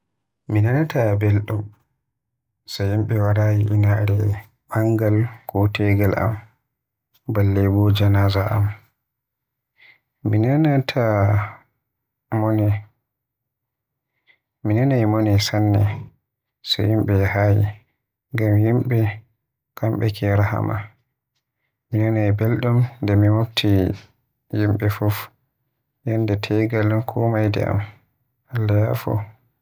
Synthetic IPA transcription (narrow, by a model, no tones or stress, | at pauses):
minanatabɛlɗɔm | sajimɓɛwaɾaːjiʔinaɾɛ | ɓaŋɡalkɔtɛɡalʔa̰m | balːɛbɔd͡ʒanazaʔa̰m | minanatʰa | mɔnɛ | minɛnajimonisanːɛ̰ | sɔ̰jimɓɛhajḭ | ŋɡamjimɓɛ | kʰamɓɛkʰɛɾaha̰ma̰ | minɛnajbɛlɗumndɛmimobtʰi | jimɓɛfɔf | jɔndɛtʰɛɡalunkʰɔmajdɛ̰a̰m | ʔalːajafɔ̰